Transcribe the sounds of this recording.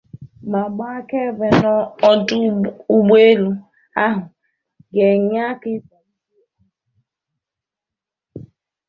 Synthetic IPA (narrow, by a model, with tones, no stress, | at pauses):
ma˨ɡ͡ba˦a˦ke˦ve˨nɔ˦ɔ˦dʊ˦u˦ɡ͡be˦lu˦ | a˦ɦʊ˨ | ɡe˨ɲ˦a˦kɪ˦˨˦